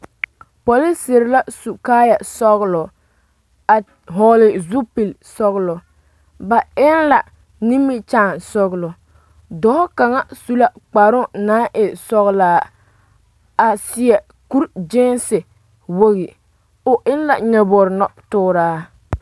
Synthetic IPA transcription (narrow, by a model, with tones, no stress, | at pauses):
pɔ˨li˦sɪ˨ɾɪ˦la˦su˨kaː˦ja˨sɔ˦ɣlʊ˨ | a˨ | ɦɔ˨lɪ˨zu˦pi˨lsɔ˦ɣlɔ˨ | ba˨ɪ˦nla˨ | ni˦mːi˦t͡ʃaː˦˨nsɔ˦ɣlɔ˨ | dɔ˦ka˨ŋa˦su˦la˦k͡pa˨ɾʊ˦naː˦ʔɪ˨sɔ˦ɣlaː˦ | a˨sɪ˨ɛ˨ | ku˦ɾd͡ʒɪ˦nsɪ˨ | wo˦ɣi˨ | ʊ˨ʔɪ˦nla˨ɲɛ˨bɔ˨ɾnɔ˦tʊː˦ɾaː˦